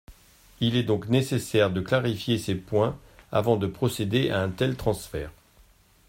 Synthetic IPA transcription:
ilɛd̪ɔ̃knesesɛʁd̪əklaʁifjesepwɛ̃a̰vɑ̃d̪əpχɔsed̪eʔaɛ̃t̪ɛlt̪χɑ̃sfɛːʁ

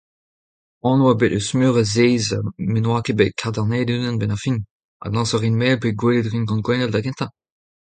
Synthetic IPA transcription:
ɔ̃nwabetøsmyːʁazeːzmenwaːkebekʰaʁd̪aʁneːdynɛ̃nbɛnɑ̃fin | a̰lɑ̃sɔʁinmɛːlpeɡweledʁinɡɑ̃nɡwɛ̃nɛldaɡɛ̃nt̪ɑ̃

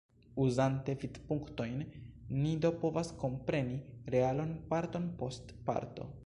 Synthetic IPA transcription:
uzante̞vidpuŋkto̞jnːidopo̞vasko̞mpɾe̞niɾe̞alo̞npaɾto̞npo̞st | pa̰ɾto̞̰

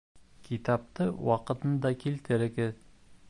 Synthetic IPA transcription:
kʰit̪ɑp̚t̪ɤwɑqɤ̆t̪ɤnd̪ɑkilt̪ɘɾɘ̆kɘð

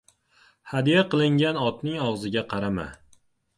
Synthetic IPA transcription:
had̪ijaqɨlˠɪŋɡʲanɒt̪nɪŋɒʁzɪɡʲaqʰɑɾama̰

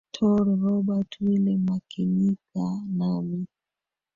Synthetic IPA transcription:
tʰɔɾɾɔbatwilɛmakʰiɲikanawi

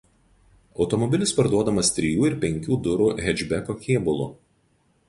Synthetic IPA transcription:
ɒʊt̪ɔmɔbʲɪlʲɪspɐɾd̪uɔd̪ɐmɐst̪ʲɾʲɪjuːɪɾpʲɛŋʲkʲuːd̪ʊɾuːɦʲɛd͡ʒʲbʲɛkoːkʲeːbʊlˠʊ̰

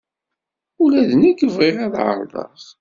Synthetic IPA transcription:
ulæðəniɡəvʁeʁæðʕə̰ɾˤðˤɑ̰s

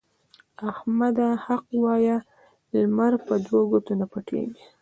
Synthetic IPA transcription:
ahmad̪ahaqwɑja | lmaɾpəd͡ʒ̪oɡot̪anapaʈʰḛɡi

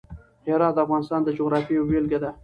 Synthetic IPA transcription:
heɾɑt̪̚d̪əafɣɑnɪst̪ɑnd̪əd͡ʒoɣɾɑfiwelɡad̪a

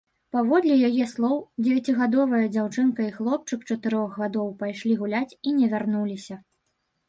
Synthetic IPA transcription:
pavɔd̪lʲijajɛslˠɔwd͡zʲɛvʲat͡sʲiɣad̪ɔvɐjɐd͡zʲawt͡ʂɨnkɐixlˠɔp̚t͡ʂɨkt͡ʂɐt̪ɨɾɔɣɣad̪ɔwpajʂlʲiɣulʲat͡sʲinʲɛvʲarnulʲisʲɐ

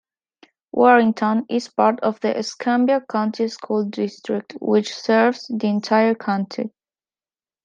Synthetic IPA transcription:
wʔɔɹɪ̃ŋtʰə̃nʔɪz̥pɑɹtɔvðiʔɨskʰãmbjəkʰãʊ̃ntʰiskʰulˠdɪstɹɪk̚tʰwɪt͡ʃsɜ˞vz̥ðiɨ̃ntʰaɪə˞kʰãʊ̃ntʰḭ

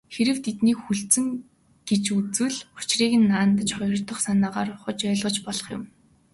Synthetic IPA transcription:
xeɾɘ̆w̥t̪ʰet̪niːkxuɬt͡sɘ̆ŋ | ɡ̥et͡ɕut͡swɘ̆ɮʊ̥t͡ɕriːɣɘ̆nːaːnt̪ə̆t͡ɕχɔjɞ̆r̥t̪ɞ̆χsanaːʁaːrχʊt͡ɕœːɮʁə̆ːt͡ɕpɔɮɞ̆χjʊ̰̆m

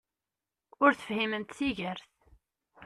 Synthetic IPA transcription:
ʊɾθə̥fhiməmt̪θiʝəɾθ

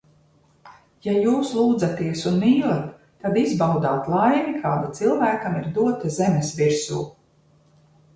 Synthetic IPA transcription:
jajuːslˠuːd̪zat̪iɛsunmiːlˠat̪ː | ad̪izbawd̪aːt̪lˠajmikʰaːd̪at̪silˠvæːkamiɾd̪uɔt̪azɛmesviɾsṵː

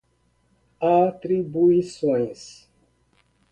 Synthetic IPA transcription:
atɾibuisoɲs

